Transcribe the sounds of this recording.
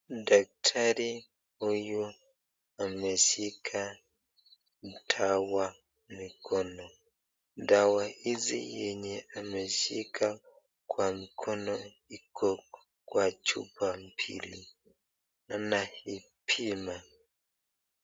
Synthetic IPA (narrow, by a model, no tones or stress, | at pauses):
dak̚tʰaɾi | huju | amɛʃikʰa | n̩tʰawa | mikʰɔnɔ | dawaizḭjɛɲɛamɛʃikʰa | kwamikʰɔnɔ | ikʰɔ | kwat͡ʃṵpam̩pʰḭlḭ | nanahi | pʰima